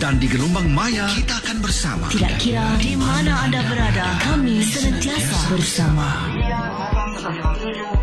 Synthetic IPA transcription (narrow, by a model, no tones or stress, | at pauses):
dandiɡəlumbaŋmajakit̪aːkanbərsa̰ma̰t̪ida̰ʔkiɾadimanaːdabəɾadakamisənənt̪iasabərsama